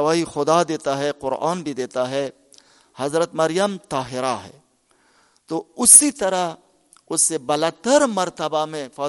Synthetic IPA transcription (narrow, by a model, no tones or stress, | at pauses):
ɐʋaːɦixʊd̪ad̪eːt̪aɦɛqʊɾʔa̰ːnbʱid̪eːt̪aɦɛ | hɐzɾət̪mɐɾɪjəmt̪aːɦɪɾaɦɛ̰ː | t̪oːʊsit̪ɐɾa | ʊsːebɐlat̪əɾmɐɾt̪əbamẽfɐː